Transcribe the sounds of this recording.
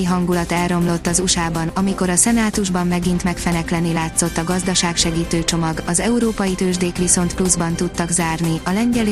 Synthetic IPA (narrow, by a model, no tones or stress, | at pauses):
iɦɒŋɡulɒt̪ɛlro̞mlo̞t̪ːɒzuʃaːbɒnɒmiko̞ɾɒsɛnaːt̪uʒbɒmːɛɡint̪mɛkfɛnɛklɛnilaːt̪so̞t̪ːɒɡɒzd̪ɒʃaːkʃɛɡiːt̪øːt͡ʃo̞mɒɡɒzɛuɾoːpɒjit̪øːʒd̪eːkʋiso̞nt̪pluzbɒnt̪ut̪ːɒɡzaːrniɒlɛɲɟɛl